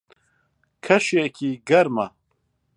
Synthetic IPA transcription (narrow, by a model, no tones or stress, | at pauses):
kʰɐʃiekʰiɡɐɾmɐ